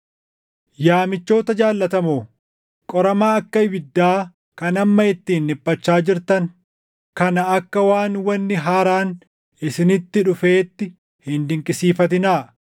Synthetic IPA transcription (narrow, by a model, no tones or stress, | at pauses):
jaːmɪt͡ʃːo̞ːt̪ɐd͡ʒaːlːɐt̪ɐmoː | kʼɔɾɐmaːɐkːɐɪbɪd̪ːaː | kɐnɐmːɐɪt̪ːiːnːɪpʼːɐt͡ʃːaːd͡ʒɪɾt̪ɐŋ | kɐnɐɐkːɐwaːnwɐnːɪɦaːɾaːn | ɪsɪnɪt̪ːɪᶑʊfeːt̪ːɪ | hɪnd̪ɪŋkʼɪsiːfɐt̪̬ɪnaː